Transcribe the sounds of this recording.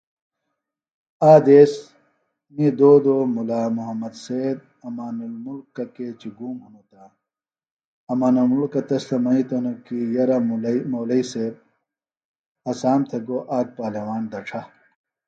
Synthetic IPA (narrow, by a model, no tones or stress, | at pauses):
aːd̪eːs | mid̪oːd̪oːmulaːmuɦɐmːɐd̪seːd̪ | ɐmaːnulmulkːɐkeːt͡ɕiɡuːmɦɐnut̪a | ɐmaːnulmulkːɐt̪ɐslɐmɐit̪onokijɐɾɐmmoːlɐiseːb̚ | ɐsaːmt̪ʰɐɡoːʔaːk̚paːlɐwaːnd̪ɐʈ͡ʂʰɐ